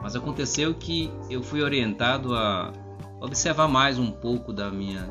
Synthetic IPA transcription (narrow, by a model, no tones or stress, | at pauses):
mɐzakõnt̪esewkɪ | ewfujoɾiẽnt̪ad̪ʊɐ | obiseɾvaɾmajzũpowkʊd̪ɐmĩɲɐ